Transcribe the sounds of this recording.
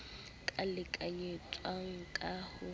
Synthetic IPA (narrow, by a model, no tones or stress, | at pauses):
kʼalɪkʼaɲet͡sʼwaŋ̩kʼahʊ